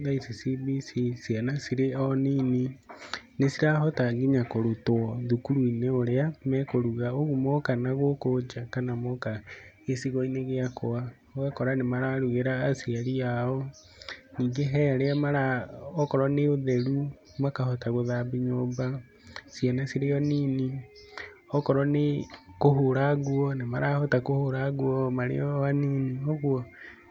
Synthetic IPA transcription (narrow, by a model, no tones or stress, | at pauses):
ðaisisibisisianasiɾeɔniːninesiɾaɦɔtaɡiɲakoɾutoɔðukuɾuineoɾeamɛkoɾuɣaoɣumɔkanaɣokod͡ʒakanamɔka | esiɣɔineɣeakoa | ɔɣakɔɾanemaɾaɾuɣeɾaːsiaɾiaɔ | niːŋɡeɦɛaɾeamaɾaɔkɔɾɔneoðɛɾu | makahɔtaɣoðabiɲoba | sianasiɾejɔniːni | ɔkɔɾɔnekoɦoɾaɣuɔnemaɾaːhɔtakohoɾaɣuɔmaɾḛjɔwaniniɔɣwɔ